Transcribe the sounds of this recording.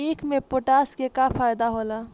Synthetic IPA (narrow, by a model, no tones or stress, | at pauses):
iːkʰmẽpoʈaːskekapʰaːjd̪aɦola